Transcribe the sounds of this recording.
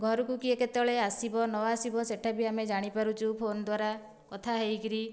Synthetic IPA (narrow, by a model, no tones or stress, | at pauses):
ɡʱɔɾɔkukieket̪ɔɭeasibɔnɔaːsibɔseʈʰabiamed͡ʒaɽ̃ipaɾut͡ʃʰupʰonɔd̪waɾa | kɔt̪ʰaɦejkiɾi